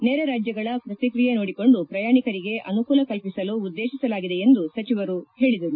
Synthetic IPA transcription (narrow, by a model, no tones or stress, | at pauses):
neːɾɐɾaːd͡ʒjɐɡɐɭɐpɾɐt̪ikɾijenoːɽiko̞ɳɖupɾɐjaːɳikɐɾiɡe̞ʔɐnukuːlɐkɐlpisɐluːd̪ːe̞ːʃisɐlaːɡid̪e̞end̪usɐt͡ʃiʋɐɾuhe̞ːɭid̪ɐɾu